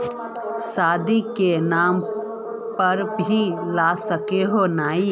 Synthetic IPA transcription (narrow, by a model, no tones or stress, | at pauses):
saːd̪ikenaːm | pəɾbʱilaːsəkeɦonaːi